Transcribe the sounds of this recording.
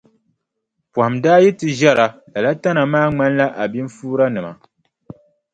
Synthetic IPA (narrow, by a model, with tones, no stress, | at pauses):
pɔ˨ha˨mdaː˦jɛ˦tɨ˨ʒɛ˦ɾa˨la˨la˦ta˦na˨maː˦ŋ͡ma˦nla˦ʔa˨bi˦ɱ˦fuː˦ɾa˦nɨ˨ma̰˨